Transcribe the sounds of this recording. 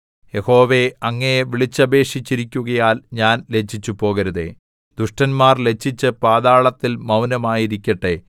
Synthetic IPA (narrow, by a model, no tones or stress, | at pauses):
je̞ho̞ːʋe̞ɐŋːɐjeʋiɭit͡ɕːɐbe̞ːʂit͡ɕːiɾikʲːuɣɐjaːlɲaːnle̞t͡ɕʰːit͡ɕːupo̞ːɣɐɾuðḛ | d̪uʂʈɐnmaːrle̞t͡ɕʰːit͡ɕːɨpaːðaːɭɐt̪ːilmɐwnɐmaːjiɾikʲːɐʈːe